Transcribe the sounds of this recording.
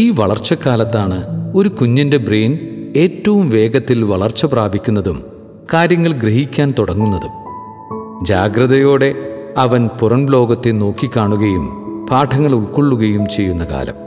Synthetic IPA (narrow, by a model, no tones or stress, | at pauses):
iːʋɐɭɐrt͡ɕːɐkːaːlɐt̪ːaːɳɨo̞ɾukuɲːɐnde̞bre̞ːne̞ːtːɐʋumʋe̞ːɡɐt̪ːilʋɐɭɐrt͡ɕːɐpraːbʱikʲːunːɐðum | kaːɾjɐŋːɐɭɡɾeɦikʲːaːnt̪oɽɐŋːunːɐðum | d͡ʑa̰ːɡɾɐðɐjo̞ːɽe̞ɐʋɐnpurɐnlo̞ːɡɐt̪ːeno̞ːkːikʲːaːɳuɣɐjum | paːʈʰɐŋːɐɭuɭkoɭːuɣɐjumt͡ɕe̞jːunːɐka̰ːlɐ̰m